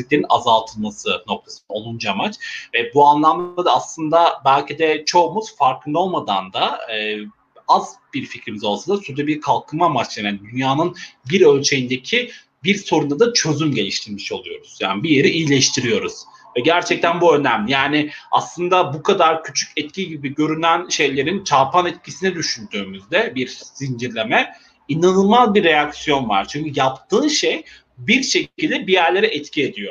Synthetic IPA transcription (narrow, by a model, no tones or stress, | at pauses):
ic̚lʲe̞ɾina̰zalˠt̪ʰɯlˠmasɯno̞k̚t̪ʰasɯnao̞lˠund͡ʒamat͡ʃvɛbuanlˠamd̪ad̪aːslˠɯnd̪abælʲcʰid̪ɛt͡ʃʰo̞ːmuz̥faɾkʰɯnd̪o̞lˠmad̪a̰nd̪aɯː | azbiɾficɾimizo̞lˠsad̪asuɾd̪ɛbiɾkʰalˠkʰɯmamat͡ʃ̪aand̪ynjaːnɯnbiɾø̞lʲt͡ʃʰe̞jind̪ecʰi | biɾso̞ɾund̪ad̪at͡ʃʰø̞zymɟe̞lʲiʃt̪ʰiɾmiʃo̞lˠujo̞ɾuz̥ja̰ːnibije̞ɾiʔijlʲɛʃt̪ʰiɾijo̞ɾuz̥ | vɛɟæɾt͡ʃʰɛc̚t̪ʰænbuø̞næmlʲijaːnɪa̰slˠɯnd̪abukʰad̪aɾcʰyt͡ʃʰy̥cʰɛt̪̚cʲʰiɟibiɟøɾynænʃe̞jlʲe̞ɾint͡ʃʰapʰanɛt̪̚cʰisinɛd̪yʃynd̪yːmyzd̪ɛbiɾsind͡ʒiɾlʲe̞mɛ | inanɯlˠmazbiɾːejaksijo̞nva̰ɾ̥t͡ʃʰyɲcyjapt̪ʰɯːnʃej | biɾʃe̞cilʲd̪ɛbijæɾlʲe̞ɾɛʔɛt̪cʰie̞d̪ijo̞